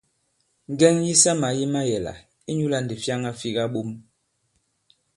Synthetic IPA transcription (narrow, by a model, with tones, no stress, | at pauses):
ŋ˨ɡɛ˦ŋji˦sa˦ma˨˦ji˦ma˦jɛ˨la̰˨ | i˦ɲu˦la˦n˨di˨fja˦ŋa˦fi˦ɣa˦ɓu˦m